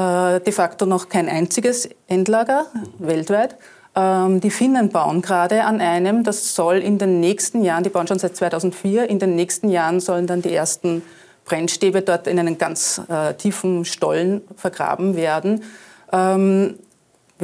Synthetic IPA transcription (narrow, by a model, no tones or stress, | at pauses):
ʔɛːd̥efaktonɔχkʰaɪnʔa̰ɪnt͡sɪɡəsʔɛndlaːɡɐvɛltv̥æɪt | ʔɛːmd̥iːfɪnənb̥aʊənɡ̥ʁaːdəanʔaɪnəmdasːɔlɪndeːnːɛːçstn̩jaːʁəndiːb̥aʊənʃoːnsæɪt̚t͡svaɪtʰaʊzn̩tfiːɐʔɪndeːnːɛːçstn̩jaːʁənzɔlən̩dandiːʔeːɐstn̩ | b̥ʁɛnʃteːbədɔɐtɪnæɪnənɡ̥ant͡sɛːtʰiːfn̩ʃtɔ̰lnfɛɐɡʁa̰ːbm̩veːɐdn̩ | ʔɛːm